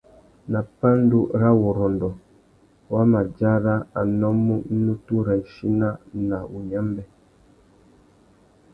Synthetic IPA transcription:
na˨pa˦n˦du˦ɾa˦wɔ˨ɾɔ˨ndɔ˨ | wa˦ma˨d͡ʒa˦ɾa˦a˨nɔ˦mːu˦nu˦tu˦ɾɛ˨n̩˨ʃi˦na˦na˨u˨ɲa˦mbɛ˦

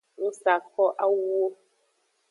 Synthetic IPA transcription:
n̩˦sa˨kɔ˦ʔa˦wo˦

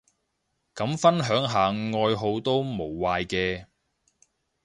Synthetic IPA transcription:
kɐ˨˥mfɐ˥nɦœː˨˥ŋɦaː˨ŋɔː˧jɦo˧wt̪o˥wmo˨˩wːaː˨˧jkɛː˧

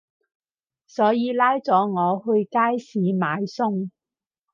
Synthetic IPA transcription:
sɔː˨˥jiː˨˧laː˥jt͡sɔː˨˥ŋɔː˨˧hɵ˧ɥkaː˥jsiː˨˥maː˨˧jsʊ˥ŋ

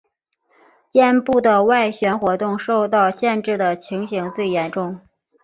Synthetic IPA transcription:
t͡ɕjɛ˥˧npu˥˩d̪ə˩wa˥˩ɪɕɥɛ˧˥nxwɔ˧˥t̪ʊ˥˧ŋʂo˥˧ʊt̪ɑ˥˧ʊɕjɛ˥˧nʈ͡ʂɻ̩˥˩d̪ə˩t͡ɕʰi˧˥ŋɕi˧˥ŋt͡swe˥˩ɪjɛ˧˥nʈ͡ʂʊ˥˩ŋ

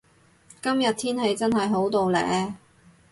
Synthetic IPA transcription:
kɐ˥mjɐ˨t̚t̪ʰiː˥nhe˨˧˥jt͡sɐ˥nɦɐ˨jɦo˨˥wt̪o˨wlɛ̰ː˨˥

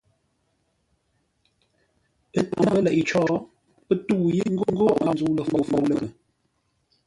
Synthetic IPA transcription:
ə˦ta̰˨mbə˦lɛ˨ʔi˨t͡ʃɔː˦ | pə˦tu˦˨je˦ŋ̩˦ɡo˦ŋ̩˦ɡo˦ʔa˨n˦zu˨lə˨ə˨fɔ˨lə˦˨lə˨

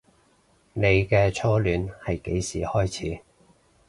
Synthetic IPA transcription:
ne˨˧jkɛː˧t͡sʰɔː˥lyː˨˥nhɐ˨jke˨˥jsḭː˨˩hɔː˥jt͡sʰiː˨˥

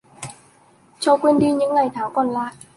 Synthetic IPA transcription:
t͡ɕɔ˧˩kwe˧nɗi˧ɲɨ̰˧˥ŋlaː˨˩jt̪ʰaː˨˩˦wkɔː˨˩nlaː˧˨ʔ

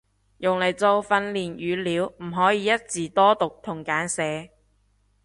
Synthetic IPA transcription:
jʊ˨˩ŋle˨˩jt͡so˧wfɐ˧nliː˨˩njyː˨˧liː˨˧wm̩˨˩ɦɔː˨˥jiː˨˧jɐ˥t̚t͡siː˨˩t̪ɔː˥t̪ʊ˨k̚t̪ʰʊ˨˩ŋkaː˨˥nsɛː˨˧

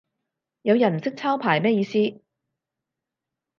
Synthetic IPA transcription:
jɐ˨˧wjɐ˨˩nm̩˨˩sɪ˥k̚t͡sʰaː˥wpʰaː˨˩jmɛː˥jiː˨˧siː˥

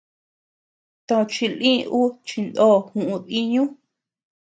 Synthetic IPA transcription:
t̪õ˧t͡ʃi˧lĩ˦˧ʔu˦t͡ʃi˧nd̪o˦˨hũ˨ʔũ˧ði˦ɲũ˦

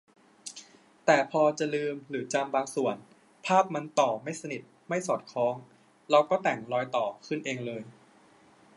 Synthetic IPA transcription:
t̪ɛː˨˩pʰɔː˧t͡ɕa˨˩lɯː˧mɾɯː˩˦t͡ɕa˧mbaː˧ŋsu˨˩ən | pʰaː˥˩p̚ma˧nt̪ɔː˨˩ma˥˩jsa˧ni˨˩t̪̚ma˥˩jsɔː˨˩t̪̚kʰɔː˩˦˥ŋ | ɾa˧wkɔː˥˩t̪ɛ˨˩ŋɾɔː˧jt̪ɔː˨˩kʰɯ˥˩nʔeː˧ŋlɤː˧j

